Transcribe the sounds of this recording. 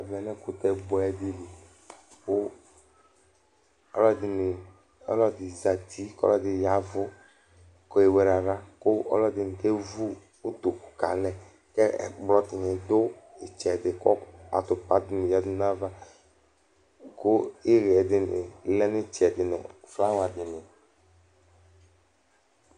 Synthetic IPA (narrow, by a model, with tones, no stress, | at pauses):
a˨vɛ˨nɛ̃˦kʊ˨t̪ɛ˨bɔ˦ɛ˦dɪ˦li˨ | ko˦ | ɔ˦lɔ˦dɪ˨nɪ˨ | ɔ̰˦lɔ˦dɪ˨za˨t̪i˦kɔ̰˦lɔ˦dɪ˨ja˨vʊ˦ | kɔ˦e˨wɛ˨ɾa˨ɾa˦kʊ˦ɔ̰˦lɔ˦dɪ˨n˨ke˦vu˦ | d̪o˨ku̥˨ka̰˨lɛ̃˨ | kɛ˦ɛ̰˨k͡plɔ˦t̪ɪ˨ɲɪ̃˨d̪o˦ | e˨t͡ʃɛ˨dɪ˨kɔ˦a̰˨t̪ʊ˨pa˦d̪ɪ˨nẽ˨ja˦d̪ʊ˦nã˦va˦ | ko˦e˦ɣe˨ɛ˨dɪ˨nɪ̰˨lɛ˦nʊ̃˦t͡ʃɛ˨d̪ɪ˨nʊ̰̃˨fla˦wa˨d̪ɪ˨nɪ˨